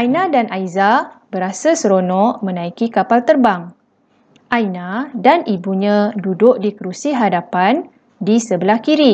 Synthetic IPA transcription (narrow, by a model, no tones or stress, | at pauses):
ʔajnãdanʔajzabəɾasasəɾonɔ̃ʔmə̃nãikikapalt̪ərbaŋ | ʔajnadanibuɲãdudʊʔ̚dikəɾusiɦadapan | disəbəlahkiɾi